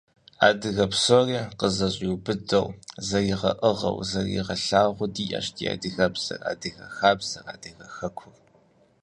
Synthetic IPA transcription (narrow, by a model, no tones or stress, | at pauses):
aːdɨɣɐpsoːriːqəzɐɕʼiwbɨdɐwzɐjɪʁɐʔɨʁɐ̰wzɐrjḭʁɐɬaːʁʷʊdiːʔa̰ːʃtʰia̰ːdɨɣɐbz̥ɐ̰ra̰ːdɨɣɐ̰xaːbz̥ɐra̰ːdɨɣɐxɐkʷʰʊr